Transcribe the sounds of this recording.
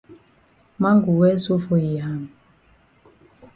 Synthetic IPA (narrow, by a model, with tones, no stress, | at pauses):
ma˦ŋɡu˨wɛ˦su˦fo˨ji˨ɦa˨ŋ